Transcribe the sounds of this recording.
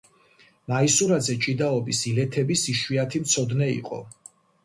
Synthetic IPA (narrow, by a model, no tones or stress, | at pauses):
maisuɾazɛt͡ʃʼid̪aɔbisilɛt̪ʰɛbisiʃwiat̪ʰimt̪sʰɔd̪nɛḭqʼɔ̰